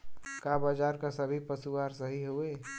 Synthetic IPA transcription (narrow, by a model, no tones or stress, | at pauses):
kabaːd͡ʒaːɾkasəbʱipəsuwaːɾsəɦiɦueː